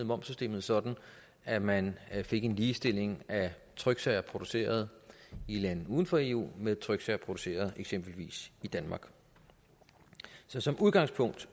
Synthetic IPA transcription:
ð̩ˠmɒ̽mb̥sysd̥e̝̰ːmð̩ˠsɒ̽d̥n̩ | æmænfe̝ɡ̥e̝nliːsd̥e̝l̰e̝ŋæ | t͡sʰʁœɡ̥sɛɪɐpʰʁo̝d̥u̥se̝̰ːɐð̞̩ˠilæn̰ð̩ˠuːð̞ˠn̩fɒ̽e̝̰ːṵːmeðˠt͡sʰʁœɡ̥sæɐpʰʁo̝d̥use̝̰ːɐð̞ˠeɡ̥sem̰b̥l̩ʋḭːsid̥ænmɑ̈ːɡ̥ | sɒ̽sɒ̽muðˠɡ̥ɑ̈ŋspʰɔ̽ŋ̰d̥

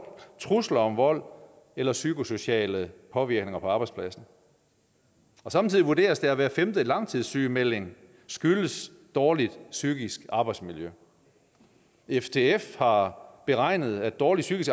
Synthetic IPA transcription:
t͡sʰʁuslɐɒ̽mʋɒ̽l̰ | elɐsykʰo̝so̝ɕɛ̰ːləpʰɒ̽ʋiɐɡ̥ne̝ŋɐpʰɒ̽ɑ̈b̥ɑ̈ɪdspʰlæsn̩ | ɒ̽sɑ̈mt͡sʰið̰ˠiʋuɐde̝̰ːɐsd̥e̝æʋæːɐfemd̥əlɑ̈ŋ̰t͡sʰið̰ˠsyːmel̰e̝ŋ | sɡ̥yləs | d̥ɒːlid̥syɡ̥isɡ̥ɑ̈ːb̥ɑɪd̥smiljø | eft͡sʰe̝efhɑ̈b̥e̝ʁɑ̈ɪ̰nəð̞̩ˠæd̥̚ɒːlid̥syɡ̥isɡ̥

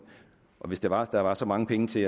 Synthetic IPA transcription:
ʔɒ̽ʋe̝sd̥eʋɑ̈d̥ɑ̈ʋɑ̈sɒ̽mɑ̈ŋəpʰeŋət͡sʰe̝æ

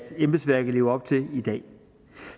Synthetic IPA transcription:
d̥emb̥əsʋæɐɡ̥̩le̝ːʊɐɒ̽b̥̚t͡sʰe̝lid̥ɛ̰ː

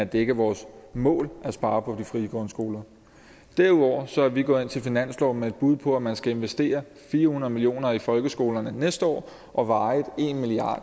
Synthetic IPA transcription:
æd̥eɡ̥əʋɒːsmɔ̰̽ːlʔæsb̥ɑ̈ːpʰɒ̽d̥ifʁiɡ̥ɔnsɡ̥o̝ːlɐ | d̥æɐuðˠɒ̰ːsɒ̽hæʋiɡ̥ɔ̽ːðˠe̝nt͡sʰe̝lfinæn̰slɒʊmee̝d̥̚b̥uð̞ˠpʰɒ̽æmænsɡ̥æe̝nʋesd̥e̝̰ːɐ | fiːɐhunɐðˠmilijo̝̰ːnɐifɒ̽lɡ̥əsɡ̥o̝̰ːlɐnənesd̥əɒ̰ː | ʔɒ̽ʋɑ̈ɪðˠe̝nmiliɑ̈ːd̥

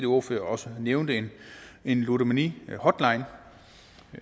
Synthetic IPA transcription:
d̥io̝føːɐɒ̽səneʊnd̥əe̝ne̝nluɾəmænihɒ̽d̥lɑ̈ɪ̰n

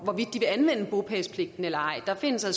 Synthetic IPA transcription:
ʋɒʋid̥ːiʋe̝ænʋen̰əb̥o̝pʰɛspʰle̝ɡ̥d̥n̩elɐɑ̈ɪ̰d̥ɑ̈fe̝n̰əsæ

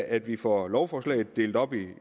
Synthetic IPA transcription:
æd̥ʋifɒlɒʊfɒːslɛ̰ɪð̩ˠd̥e̝ːld̥ɒ̽b̥i

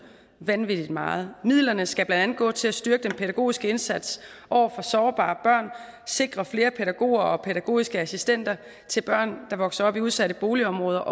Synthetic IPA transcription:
ʋænʋid̥id̥mɑ̈ːð̞̩ˠmið̰ˠlɐnəsɡ̥æb̥lænd̥ænð̩ˠɡ̥ɔ̰̽ːt͡sʰe̝læsd̥yɐɡ̥əd̥enpʰeɾæɡ̥o̝̰ːisɡ̥əe̝nsæd̥sʔɒʊ̰ɐfɒ̽sɒːb̥ɑ̰̈ːb̥ɶɐ̰n | se̝ɡ̥ʁɐfle̝ːɐpʰeɾæɡ̥o̝̰ːɐɒ̽pʰeɾ̥æɡ̥o̝̰ːisɡ̥əæsisd̥en̰d̥ɐ | t͡sʰe̝lb̥ɶɐ̰nd̥ɑ̈ʋɒ̽ɡ̥sɐɒ̽b̥iuð̞ˠsæɾəb̥o̝ːliɒ̽mʁɔ̽ːð̞ˠɐʔ

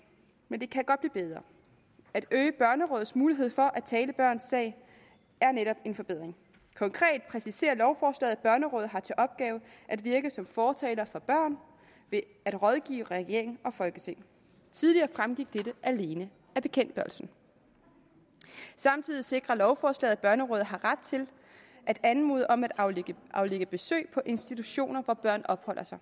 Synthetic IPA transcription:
mend̥e̝kʰæɡ̥ɒ̽d̥b̥lḭːb̥eðˠʁɐ | æd̥øːɪəb̥ɶɐnəʁɔ̽ːð̩ˠsmuːliɦe̝ð̞̰ˠfɒ̽ʔæ̥t͡sʰɛːləb̥ɶɐ̰nsːɛ̰ɪ | æɐneɾɒ̽b̥e̝nfɒ̽b̥e̝ð̞̰ˠʁeŋ | kʰɒ̽ŋkʰʁɛ̰ːd̥̚pʰʁɛsise̝̰ːɐlɒʊfɒːslɛ̰ːð̩ˠæb̥ɶɐnəʁɔ̽ːð̩ˠɦɑ̈t͡sʰe̝ʔɒ̽b̥̚ɡ̥ɛːʊʔæd̥ʋiɐɡ̥əsɒ̽mfɒːt͡sʰɛ̰ːlɐfɒ̽b̥ɶɐ̰n | ʋe̝ | æd̥ʁɒ̽ð̞ˠɡ̥ḭːʊʁɛɡ̥e̝̰ɐ̰eŋɒ̽fɒ̽lɡ̥ət͡sʰe̝ŋ̰ | t͡sʰið̞ˠliɐːfʁamɡ̥iɡ̥̚d̥edəʔæle̝ːnə | æb̥e̝kʰen̰d̥b̥ɶɐlsn̩ | sɑ̈mt͡sʰiðˠise̝ɡ̥ʁɐlɒʊfɒːslɛ̰ːð̩ˠb̥ɶɐnəʁɔ̽ːð̞̩ˠɦɑ̈ʁad̥̚t͡sʰe̝l | ʔæd̥ænmṵːðˠəʔɒ̽mæd̥ɑ̈ʊeɡ̥ʔɑ̈ʊleɡ̥əb̥e̝sø̰ːpʰɒ̽ʔe̝nsd̥it͡sʰuɕo̝̰ːnɐʋɒb̥ɶɐ̰nɒ̽b̥hɒ̽l̰ʔɐsɑ̈ɪ

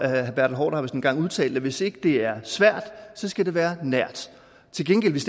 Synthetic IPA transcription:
hæb̥æɐ̰d̥̩ɦɒ̰ːɾ̥ɑhɑʋsɒn̩ɡ̥ɑ̈ŋuð̞ˠt͡sʰɛ̰ːld̥əʋe̝se̝ɡ̥əd̥e̝æɐsʋæɐ̰d̥sɒ̽sɡ̥æd̥e̝ʋæːɐnæɐ̰d̥ | t͡sʰe̝lɡ̥enɡel̰ʋe̝sd̥

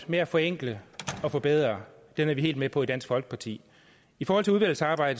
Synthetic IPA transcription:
meæfɒ̽eŋ̰ɡ̥ləɒ̽fɒ̽b̥eð̞ˠʁɐ | d̥enæɐʋie̝̰ːld̥mepʰɒ̽id̥æn̰sɡ̥fɒ̽lɡ̥ə̥pʰɑ̈t͡sʰḭː | ifɒːhɒl̰t͡sʰe̝uðʋæl̰̩sɑ̈ːb̥ɑ̈ɪ̰d̥ə

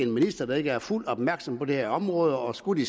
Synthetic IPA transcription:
enminisd̥ɐd̥ɑ̈e̝ɡ̥əæɐful̰d̥ɒ̽b̥mæɐɡ̥sɒ̽mpɒ̽d̥e̝hæɐɒ̽mʁɔːð̞ˠɒ̽sɡ̥ud̥i

